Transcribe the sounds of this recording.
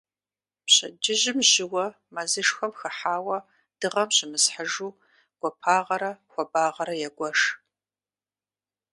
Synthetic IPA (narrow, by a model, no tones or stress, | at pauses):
pɕɐ̰d͡ʒɪʒɪmʒɪwɐ | mazɨʂxɐmxɐħaːwɐ | d̥ɨʁɐmɕɪmɨsħəʒuː | ɡ̥ʷɔpʰaːʁɐɾɐxʷɔbaːʁɐɾɐjɛɡʷɔʂ